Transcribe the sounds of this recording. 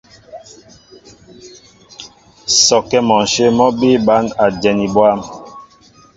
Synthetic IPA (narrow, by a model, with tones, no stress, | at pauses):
sɔ˨kɛ˦mɔ˨n̩˨ʃe˦mɔ˦bi˦ba˨˦na˨d͡ʒɛ˨ni˨bwa˦m